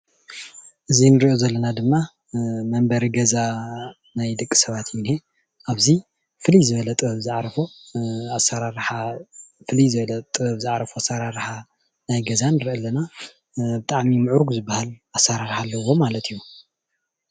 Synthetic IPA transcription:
ʔɨzinɨɾiʔo̞zɐlːɐnad̪ɨmːa | mɐmbɐɾiɡɐza | najd̪ɨkʼːi̥sɐβat̪jɪnhe̞ | ʔaβzi | fɨlizɨβɐlɐt̪ʼɨβɐβzɨʕɾɐfoasaɾaɾħafɨlizɨβɐlɐt̪ʼɨβɐβzaʕɾɐfoasaɾaɾħa | najɡɐzanɨɾʔɐlːɐna | bɨt̪ʼaʕmimɨʕuɾuɡuzɨbːahalʔasaɾaɾħalːɐwo̞malɐt̪ʰijːu

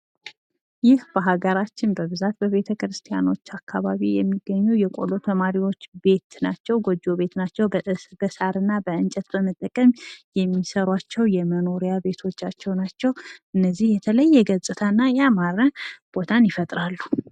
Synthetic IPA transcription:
jɪhb̥əɦaɡəɾat͡ʃːɪnbəβɨzat̪bəβe̞t̪ʰəkɾɨst̪ʰʼija̰no̞t͡ʃːakʰːaβaβijɛmːiɡːəɲːujɛkʼo̞̰lo̞t̪ʰəmaɾiwo̞t͡ʃːbe̞t̪nat͡ʃːɛwɡod͡ʒo̞βe̞t̪nat͡ʃːɛwb̥əsaɾɨnːabəɨnt͡ʃʼɛt̪bəmət̪ʼːəkʼəmjɛmːisəɾwat͡ʃːɛwjɛməno̞ɾijabe̞t̪ʰo̞t͡ʃːat͡ʃːɛwnat͡ʃːɛwʔɨnːəzːihjɛt̪ʰələjːɛɡəzʼɨt̪ʰəɨnːajamaɾəb̥o̞t̪ʰanjɪfət̪ʼɾalːu

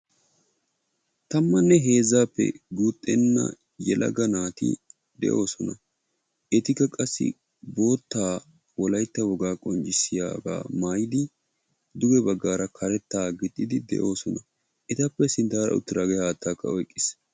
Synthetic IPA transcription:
t̪ɐmːɐnːɛɦe̞ːzaːpːɛ̰ɡuːt̪ʼːɛnːɐ̰ | jɛlʔɐ̰ɡɐnaːt̪ɪ̰ | d̪ɛ̰ʔo̞ːsɔnɐ | ʔɛt̪ɪkːɐkʼɐsːɪ̰ | bo̞ːt̪ːaː | wɔlɐjt̪ːɐwɔɡaːkʼɔnt͡ʃʼɪsɪja̰ːba̰ːmaːjɪd̪ɪ | d̪ʊɡɛbɐɡːaːɾɐkʰɐɾɛt̪ːaːɡɪt̪ʼːɪd̪ɪd̪ɛ̰ʔo̞ːsɔnɐ | ʔɛt̪ɐpːɛsɪnt̪aːɾɐ̰ʊ̰t̪ːɪɾaːɡɛaːt̪ːaːkːɐɔjkʼːɪs

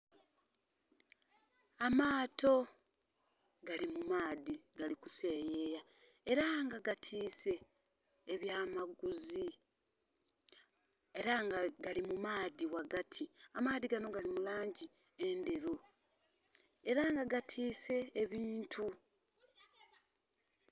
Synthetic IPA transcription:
amaːto̞ | ɡalimumaːðiɡaliku̥se̞ːjeːjae̞ɾaŋɡaɡatʰiːse̞ː | βjaːmaɡuzi | e̞ɾaŋɡaɡalimumaːðiwaɡatʰiamaːðiɡano̞ɡalimulaːɲɟi | endeɾu | e̞ɾaŋɡaɡatʰiːse̞ːβiːntʰu

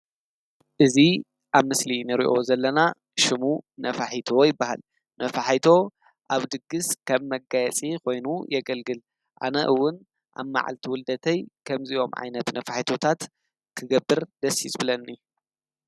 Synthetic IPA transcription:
ʔɨzi | ʔaβmɨslinɨɾḭʔo̞zɐlːɐna | ʃɨmunɐfaħit̪ʰo̞jɪbːaha̰l | nʔɐfaħijt̪ʰo̞ | ʔaβd̪ɨɡːɨskʰɐβmɐɡajɛt͡sʼikʰo̞jnujɐɡɐlɡɨl | ʔa̰nɐ̰ʔɨwːʊn | ʔa̰βma̰ʕa̰lt̪ʰiwʊld̪ɐt̪ʰɐjkʰɐmziʔo̞mʕa̰jnɐt̪nɐfaħit̪ʰot̪ʰat̪ | kʰɨɡɐbːɨɾd̪ɐsḭsʼbɨlɐnɨjːu

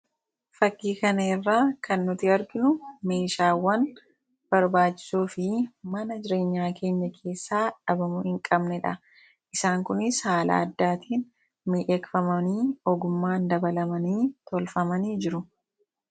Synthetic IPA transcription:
fɐkːiːkɐnɐɪrːaːkɐnːʊt̪ɪɐɾɡɪnʊme̞ːʃaːwːɐn | b̥ɐɾbaːt͡ʃːɪ̥suːfɪmɐnɐd͡ʒɪɾe̞ːɲːaːkʰe̞ːɲːɐkʰe̞ːsːaːᶑɐbɐmʊhɪŋkʼɐbnɛᶑɐ | ʔɪsaːŋkʊnɪshaːla̰ːɐd̪ːaːt̪ʰiːn | miːʔɛkfɐmɐniːɔɡʊmːaːnd̪ɐbɐlɐmɐniːt̪ɔlfɐmɐniːd͡ʒɪɾʊ

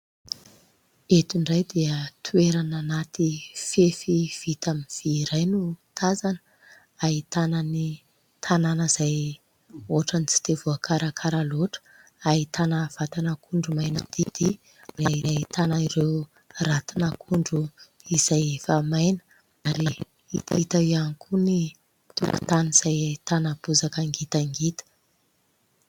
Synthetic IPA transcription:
et̪iɳɖ͡ʐajd̪iət̪ʰueɾananat̪ifefiv̥it̪aminv̥iɾajnut̪ʰazanə̥ | ait̪anani | t̪ʰananəz̥aj | oʈ͡ʂanit͡si̥t̪evuakʰaɾakʰaɾaloʈ͡ʂə̥ | ait̪anəv̥at̪anakʰuɳɖ͡ʐumajnə̰d̪̥id̪̥i | reaiɾait̪anaiɾew | rat̪inakʰuɳɖ͡ʐu | iz̥ajefamajnə̥ | aɾi | ḭt̪it̪aianikʰuni | t̪ṵku̥̰t̪aniz̥ajait̪anapuzakəŋɡit̪aŋɡit̪ə̥

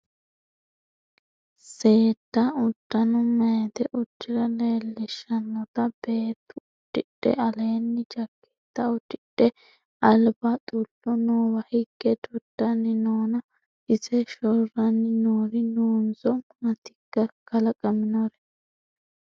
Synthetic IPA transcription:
se̞ːt̪ːɐʊd̪̥ːɐnɔmɐjd̪ɛʔʊt͡ʃːɪɾɐle̞ːlːɪʃːɐnːɔt̪ɐb̥e̞ːt̪ːʊʊd̥ːɪᶑɛ̰ʔɐleːnːɪd͡ʒɐkːɛ̥t̪ːɐʊd̪ɪᶑɛ | ɐlbɐt̪ʼʊlːɔnoːwɐhɪɡːɛt̪ʊd̪̥ːɐnːɪnoːnɐ | ɪzɛʃɔrɐnɪnoːɾɪnoːnzɔʊnɐt̪ɪ̥kːɐkɐlɐkʼɐmɪnɔɾɛ

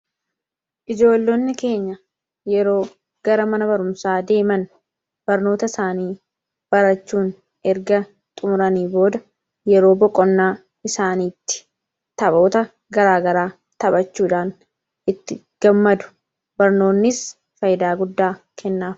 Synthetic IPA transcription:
ʔɪd͡ʒo̞ːlːonːɪke̞ːɲːɐ | jɛɾo̞ː | ɡ̥ɐɾɐmɐnɐbɐɾʊmsaːd̪e̞ːmɐn | b̥ɐɾno̞ːt̪ɐɪsaːniː | b̥ɐɾɐt͡ʃːuːn | ɛɾɡɐ | t̪ʼʊmʊɾɐniːbo̞ːd̪ɐ | jɛɾo̞ːbɔkʼːɔnːaː | ɪsaːniːt̪ːɪ̥ | t̪ɐbo̞ːt̪ɐ | ɡɐɾaːɡɐɾaː | t̪ɐbɐt͡ʃːuːᶑaːn | ʔɪt̪ːɪ | ɡ̥ɐmːɐd̪ʊ̥ | b̥ɐɾno̞ːnːɪs | fɐjd̪aːɡʊd̪ːaː | kʰɛnːaːf

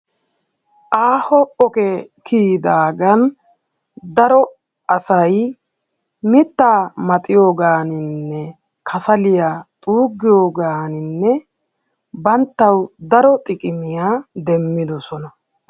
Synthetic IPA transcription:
ʔaːhɔɔkɛkʰiːd̪aːɡɐn | d̪ɐɾɔ | ʔɐsɐj | mɪt̪ːaːmɐt̪ʼɪjo̞ːɡaːnɪnnːɛ | kʰɐsɐlɪjaːt̪ʼuːɡːɪjoːɡaːnɪnːɛ | bɐnt̪ːɐwd̪ɐɾɔt̪ʼɪkʼɪmɪjaːd̪ɛmːɪd̪ɔsɔnɐ

